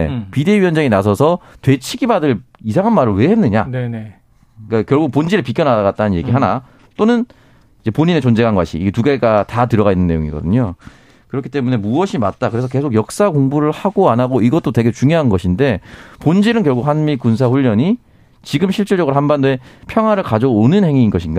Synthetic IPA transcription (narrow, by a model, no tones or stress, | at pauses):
ḛpide̞iɥiʌnd͡ʑaŋinasʰʌsʰʌtwe̞t͡ɕʰiɡibadɯɭ | isʰaŋɦanmaɾɯɭwe̞henːɯɲa̰n | k͈akjʌɭɡuk̚pond͡ʑiɾɯɭpikʰjʌnaɾaɡat̚t͈anɯnje̞̰ɡiɦana | t͈onɯn | id͡ʑe̞poɲine̞t͡ɕond͡ʑeɡanɡwaɕʰḭːɡe̞tuɡe̞ɡatatɯɾʌɡainːɯnːe̞jo̰ŋḭɡʌ̰dɯ̰ɲo | kɯɾʌkʰi̥t͈e̞mune̞muʌɕʰimat̚t͈akɯɾe̞sʰʌke̞sʰokjʌk̚s͈akoŋbuɾɯɭhaɡoanaɡoiɡʌt͈otwe̞ɡe̞t͡ɕuŋjoɦannɡʌɕʰinde̞pond͡ʑiɾɯnkjʌɡukhanmikunsʰaɸuʎːʌɲi | t͡ɕiɡɯmɕʰiɭt͡ɕ͈iɭd͡ʑʌɡɯɾoɦanbandoe̞pʰjʌŋwaɾɯɭkad͡ʑʌːnɯnhe̞ŋiːnɡʌɕʰinɡa